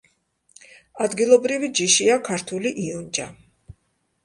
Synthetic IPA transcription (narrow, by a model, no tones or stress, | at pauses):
ad̪ɡilˠɔbɾivid͡ʒiʃiakʰaɾt̪ʰuliʔiɔnd͡ʒa